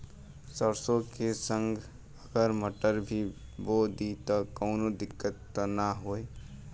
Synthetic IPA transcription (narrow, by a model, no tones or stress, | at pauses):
səɾsokesə̃ŋɡʱ | əɡəɾməʈəɾbʱiboːd̪it̪ɔkɔːnod̪ɪkːət̪ːnaɦoːe